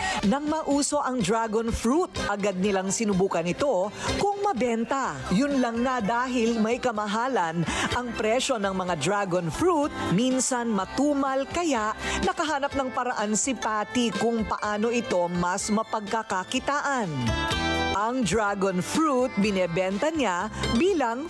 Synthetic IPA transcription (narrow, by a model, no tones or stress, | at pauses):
nɐŋmɐʔuːso̞ʔɐŋd̪ɾaɡonfɾut̪ʔɐɡad̪̚nɪlaŋsɪnʊbuːkɐnɪt̪o̞kʊŋmɐbɛnt̪ɐ | jʊnlɐŋnad̪aːɦɪlmɐjkɐmɐɦaːlɐnʔɐŋpɾɛʃo̞nɐŋmɐŋad̪ɾaɡonfɾut̪̚minsɐnmɐt̪uːmɐlkɐjaʔnɐkɐɦaːnɐp̚nɐŋpɐɾɐʔansɪpaːt̪ɪkʊŋpɐʔaːno̞ʔɪt̪o̞mɐsmɐpɐɡ̚kɐkɐkɪt̪aːʔɐn | ʔɐŋd̪ɾaɡonfɾut̪̚bɪnɛbɛnt̪ɐɲabiːlɐŋ